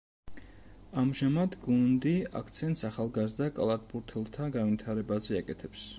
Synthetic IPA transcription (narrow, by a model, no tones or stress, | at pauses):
amʒamad̪ɡund̪ia̰kʰt̪sʰɛnt̪saχalˠɡazd̪akʼlˠat̪̚buɾt̪ʰɛlˠt̪ʰaɡanvit̪ʰaɾɛbazɛakʼɛt̪ʰɛps